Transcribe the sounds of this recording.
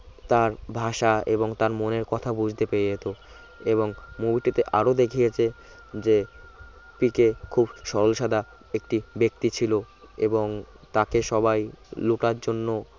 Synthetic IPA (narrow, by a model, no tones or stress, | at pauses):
t̪aɾbʱaʃaḛboŋt̪aɾmoneɾkɔt̪ʰabud͡ʑʱt̪epeejet̪o | eβoŋmubiʈit̪eʔaɾod̪ekʰijet͡ɕʰe | d͡ʑe | pikekʰubʃɔɾolʃad̪a | ek̚ʈibek̚t̪it͡ɕʰilo | eboŋ | t̪akeʃɔbajluʈaɾd͡ʑonːo